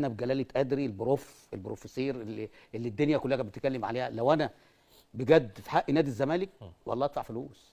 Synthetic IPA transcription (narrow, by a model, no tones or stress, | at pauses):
ʔænæbeɡælæːlet̪ʔæd̪ɾilboɾof | elbɾofesiːɾelːiʔelːid̪ːonjækolːæhæbet̪kælːemʕa̰leːhælæwʔænæ | beɡæd̪fi̥ħaʔinæːd̪izːæmæːlek̚wʔɑ̰lˤːɑːʔæt̪faʕfoluːs